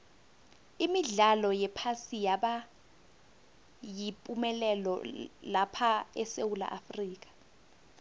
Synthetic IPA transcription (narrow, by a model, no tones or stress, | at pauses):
imiɮalɔjɛpʰasijaɓa | jipʼumɛlɛlɔ̰lapʰaɛsewula̰ʔafriːk̬ʼḁ